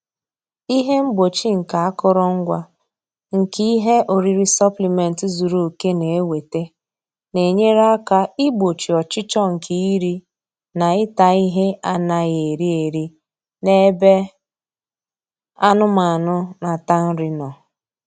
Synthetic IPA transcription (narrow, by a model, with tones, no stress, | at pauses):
i˦ɦe˦m̩˦bo˨t͡ʃi˦ŋ̩˨ka˨a˦kʊ˦ɾɔ˦ŋ̩˦ɡʷa˦ | ŋ̩˨ki˦i˦ɦe˦ʔo˨ɾi˦ɾi˦sa˦pli˨me˨n̩˨tzu˨ɾu˨o˨ke˦ne˨e˦we˨te˦ | ne˨ɲe˦ɾa˦ka˦ɪ˦bo˨t͡ʃi˨ɔ˨t͡ʃɪ˦t͡ʃɔ˦ŋ̩˨ki˦i˦ɾi˦ | na˨ɪ˦ta˨i˦ɦe˦a˦na˨ɣe˨ɾi˦e˨ɾi˦ | ne˦be˦ | a˦nʊ˦ma˨a˨nʊ˦na˨ta˦n̩˦ɾi˦nɔ˨